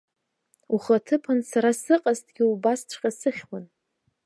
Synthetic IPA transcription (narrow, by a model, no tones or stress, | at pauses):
uχatʰɨpʰansaɾasɨqʼaztʼɡʲɪubast͡ʃʷʰqʲʼasɨχʲwan